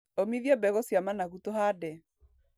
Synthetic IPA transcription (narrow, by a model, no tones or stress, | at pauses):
omiðjɔbɛɣosjamanaɣutoɦadɛ